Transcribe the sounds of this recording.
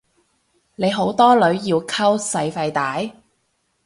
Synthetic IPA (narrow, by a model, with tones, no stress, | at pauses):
ne˨˧jɦo˨˥wt̪ɔː˥lɵ˨˧˥ɥjiː˧wkʰɐ˥wsɐ˧jfɐ˧jt̪aː˨˥j